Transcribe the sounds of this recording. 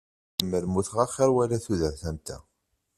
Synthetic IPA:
əmːəɾmuθʁæχəɾwælæθuðəɾθæmt̪æ̰

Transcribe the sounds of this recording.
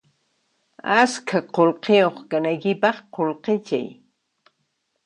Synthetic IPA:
askʰaqolqejoχkanajkɪpɑχqolqet͡ʃa̰j

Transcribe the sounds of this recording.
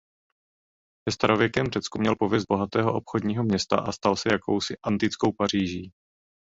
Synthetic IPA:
sɛst̪aɾo̞vjɛkɛmr̝ɛt͡skumɲɛlpo̞vjɛs̬d̪̚bo̞ɦat̪ɛːɦo̞ʔo̞pxodɲiːɦo̞mɲɛst̪a̰ʔast̪alsɛjakʰo̞wsɪʔant̪ɪt͡sko̞wpar̝iːʒiː

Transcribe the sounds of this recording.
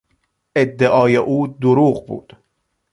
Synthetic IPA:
ʔed̪ːeʔɒːjeʔuːd̪oɾuːɣbṵːd̪̥

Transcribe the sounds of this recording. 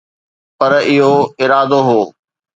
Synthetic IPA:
pɐɾɪɦoɪɾaːd̪oɦoː

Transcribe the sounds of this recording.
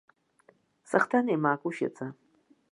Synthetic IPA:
saχt̪ʰanemaːkʼuʃḛt͡sʰʼa

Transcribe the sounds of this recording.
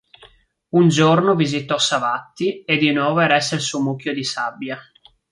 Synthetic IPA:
und͡ʒornovizit̪ɔsːavat̪ːied̪ːinɔːvoɛɾɛsːelsumukːjod̪isabːja

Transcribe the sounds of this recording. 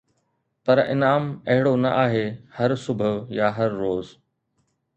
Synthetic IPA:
pɐɾɪ̰naːmɐɦɪɽonɐʔaːɦehɐɾsʊbʱəʋjaːɦɐɾːoːz

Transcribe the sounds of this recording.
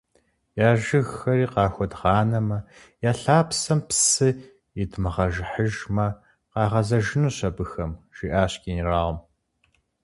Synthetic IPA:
jaːʒɨɣxɐriːqɑːxʷɔdʁɑːnɐmɐ | jaːɬaːpsɐmpsɨ | ɪdmɨʁɐʒħəʒmɐ | qɑːʁɐzɐʒɪnuːɕɐbɨxɐmʒ̥iːʔaːɕkʲiːniraːʁɔm

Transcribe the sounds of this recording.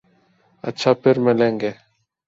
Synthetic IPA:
ə̰tːʃʰaːpʰɪɾmelẽːŋɡeː

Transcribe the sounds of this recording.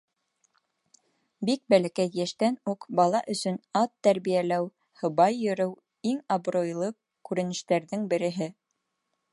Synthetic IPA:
bik̚bælækæjjæʃt̪ænuqbɑlˠɑʔɵ̆sɵnɑt̪ːæɾβijælæw | hɤ̆βɑjːɵ̆ɾɘw | iŋɑbɾojlˠɤ | kʉɾɘ̆nɘ̆ʃt̪æɾðɘŋbɘ̆ɾɘ̆ɦɘ

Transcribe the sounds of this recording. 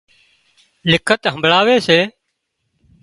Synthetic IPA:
lɪkʰət̪ɦə̃mbʱɭaːʋeːseː

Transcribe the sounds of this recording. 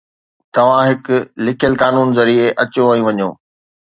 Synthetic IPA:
t̪ɐʋ̤ãɦɪkʊlɪkʰjəlkaːnuːnzɐɾiːeʔɐt͡ɕoʋɐĩʋɐɲo̰ː

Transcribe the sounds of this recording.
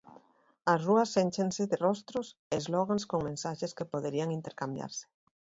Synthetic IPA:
ɐsruɐsːenʲt͡ʃenseðerɔst̪ɾosezloɣ̞aŋskoŋmẽnsaʃeskepoðeɾiaŋint̪eɾkambja̰ɾse̥

